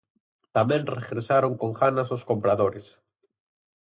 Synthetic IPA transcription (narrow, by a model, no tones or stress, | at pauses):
t̪amẽnreɣɾesaɾoŋkoŋxanasoskompɾaðoɾes